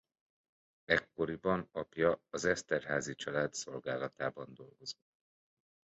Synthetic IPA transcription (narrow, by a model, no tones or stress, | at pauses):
ɛkːo̞ɾibɒnɒpjɒːzɛst̪ɛrɦaːzit͡ʃɒlaːt̪so̞lɡaːlɒt̪aːbɒnd̪o̞lɡo̞z̥ott̪ː